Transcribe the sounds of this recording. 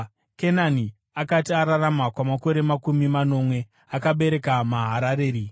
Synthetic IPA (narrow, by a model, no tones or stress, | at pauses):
kenani | akatiaɾaramakwamako̞ɾe̞makumimano̞mwe̞ | akaɓe̞ɾe̞kamaɦaɾaɾe̞ːɾi